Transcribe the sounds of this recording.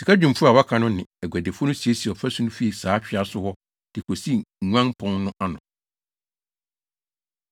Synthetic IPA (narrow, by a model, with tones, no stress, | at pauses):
si˨kʰa˦d͡ʑᶣũ˨m˨fʊ˦a˨wa˦kʰa˨nʊ̃˦nɪ̃˨ɛ˨ɡæ˨de˨fʊ˦nʊ̃˦si˨e˦si˨ɔ˨fæ˦su˦nʊ̃˦fi˦i˨saː˨˦t͡ɕᶣɪ˨˦a˦sʊ˦hɔ˦ | d̥ɪ˨kʰo˨si˦˨ŋ̩˨ŋʷ˦ã˦pʰɔ̃˦nːʊ̃˦ʔa˦nʊ̃˨